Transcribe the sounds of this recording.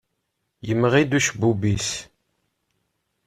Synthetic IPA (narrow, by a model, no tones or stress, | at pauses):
jəmːʁid̪uʃbubis